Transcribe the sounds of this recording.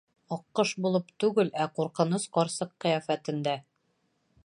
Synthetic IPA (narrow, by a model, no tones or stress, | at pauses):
ɒqːɤʃbulˠɤpt̪ʉɡɘlæquɾqɤ̆nɤsqɒɾsɤqːɤ̆jæfæt̪ɘ̆nd̪æ